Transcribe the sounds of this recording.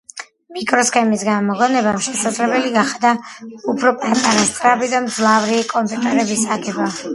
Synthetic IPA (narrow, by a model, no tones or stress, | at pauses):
mikʼɾɔskʰɛmisɡamɔlɔnɛbamʃɛsad̪zlɛbɛliɡaχd̪aupʰɾɔpʼat̪ʼaɾast̪sʼɾabid̪amd̪zlˠavɾikʼɔmpʼut̪ʼɛɾɛbisaɡɛba